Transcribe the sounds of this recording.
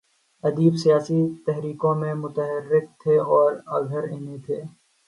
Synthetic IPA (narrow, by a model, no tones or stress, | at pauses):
ɐd̪iːbsijaːsit̪ɛɦɾiːkõmẽmʊt̪əɦəɾːɪk̚t̪ʰeɔːɾɐɡʱəɾeːnet̪ʰeː